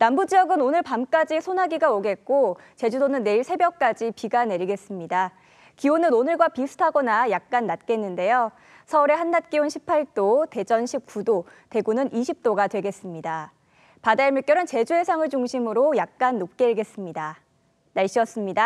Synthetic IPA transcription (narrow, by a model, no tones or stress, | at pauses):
nambud͡ʑijʌɡɯnonɯɭpamk͈ad͡ʑisʰonɦaɡiɡaoɡe̞t̚k͈ot͡ɕe̞d͡ʑudonɯnːe̞iɭsʰe̞bjʌk̚k͈ad͡ʑipiɡane̞ɾiɡe̞s͈ɯmɲida | kionɯnonɯɭɡwapisʰu̥tʰaɡʌnajak̚k͈anːat̚k͈e̞nːɯnde̞jo | sʰʌuɾe̞hanːat̚k͈ionɕʰipʰaɭt͈ote̞d͡ʑʌnɕʰip̚k͈udote̞ɡunɯnʔiɕʰip̚t͈oɡadwe̞ɡe̞s͈ɯmɲida | padaemjuk͈jʌɾɯnt͡ɕe̞d͡ʑuɦe̞sʰaŋɯɭt͡ɕuŋɕʰimɯɾojak̚k͈anːop̚k͈e̞ɭɡe̞s͈ɯmɲida | naɭɕ͈iʌs͈ɯmɲida